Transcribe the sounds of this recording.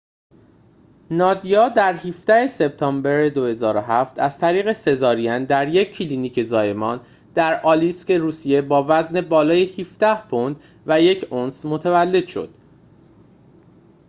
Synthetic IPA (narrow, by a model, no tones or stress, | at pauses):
nɒːd̪ijɒːd̪æɾhiːfd̪æhe̞se̞b̚t̪ʰɒːmbeɾed̪o̞he̞zɒːɾoɦæft̪æz̥t̪ʰæɾiːɣe̞se̞zɒːɾiænd̪æɾje̞cʰːiliːniːcʰezɒːje̞mɒːn | d̪̥æɾʔɒːlistcʰe̞ɾuːsije̞bɒːvæzne̞bɒːlɒːjehiːfd̪̥æhpʰond̪̥ | væje̞cʰonsmo̞t̪ʰævælːe̞d̪̥ʃo̞̰d̪̥